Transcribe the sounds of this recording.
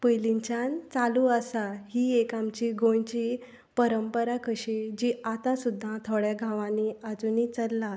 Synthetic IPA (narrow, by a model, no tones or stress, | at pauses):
pəjliɲt͡ɕãnt͡saluasaɦiːekamt͡ɕiɡõjt͡ɕi | pəɾəmpəɾakəɕed͡ʑiːat̪ãsud̪ʱːãt̪ʰoɽjaɡʱãʋãniad͡zunit͡səlːa